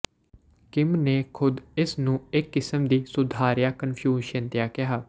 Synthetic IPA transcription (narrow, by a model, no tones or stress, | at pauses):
kɪmneːkʰʊd̪ɪsnũːɪkːɪsəmd̪iːsʊd̪ʱaːɾjaːkənpʰjuːʃənt̪ɪjaːkɪɦaː